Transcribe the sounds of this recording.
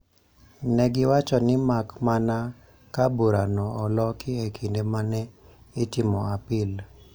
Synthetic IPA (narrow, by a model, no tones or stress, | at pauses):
nɛɡɪwat͡ʃɔnɪmakmana | kaboɾanɔːlɔkʰɪekʰindemanɛ | ɪtɪmɔapɪl